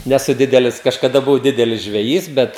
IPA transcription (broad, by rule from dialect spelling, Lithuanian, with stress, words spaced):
nʲɛˈsʊ ˈdʲɪdʲɛlʲɪs kɐʃkɐˈdɐ bʊˈʋɐʊ ˈdʲɪdʲɛlʲɪs ʒʲʋʲɛˈjiːs ˈbʲɛt